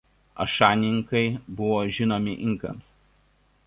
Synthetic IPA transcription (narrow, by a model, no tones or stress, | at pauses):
ɐ̰ʃɑːnʲɪŋˑkɐɪbʊʋoːʒʲɪnoːmʲɪʔɪŋˑkɐ̰ms